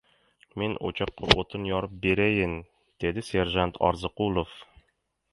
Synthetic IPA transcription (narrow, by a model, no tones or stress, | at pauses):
menʔo̰t͡ʃɑqːɑ̰ʔot̪ʰɨnjɒɾɤp̚beɾæjɪn | d̪̥ed̪ɪseɾʒant̪ʰɒ̰ɾzɨqulˠof